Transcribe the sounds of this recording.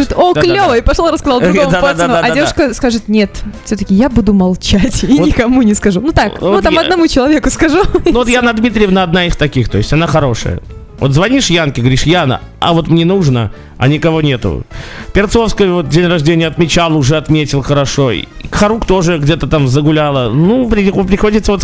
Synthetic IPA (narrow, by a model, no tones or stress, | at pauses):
ɨt̪oklʲovəɪpɐʂlˠoɾəskɐzalˠʊovd̪ad̪d̪aaɐdʲevʂkəskaʐɨt̪nʲet̪fsʲot̪əkʲɪjabud̪ʊmɐlˠt͡ɕatʲinɪkɐmunʲɪskɐʐunut̪akot̪amɐd̪nɐmut͡ɕɪlˠɐvʲe̞kʊskɐʐunuvot̪janɐd̪mʲit̪ɾʲɪjəvənəɐd̪naixt̪ɐkʲixt̪o̞ɪsʲɐnaxɐɾo̞ʂə̰jə̰ | vot̪zvɐnʲiʂjankʲɪɡəvɐɾʲiʂjanə̰ | ɐ̰vo̞t̪mnʲenuʐnə̰ | ɐ̰nʲɪkɐvo̞nʲe̞t̪ʊ̰pʲɪrt̪sofskəjvo̞t̪̚dʲenʲrɐʐdʲenʲɪjəɐt̪mʲɪt͡ɕalˠʊʐɛɐt̪mʲetʲɪlˠxəɾɐʂo̞kxɐɾukt̪o̞ʐɨɡdʲet̪ət̪amzəɡʊlʲalˠənupɾʲɪip̬ɾʲɪxo̞dʲɪt̪səvot̪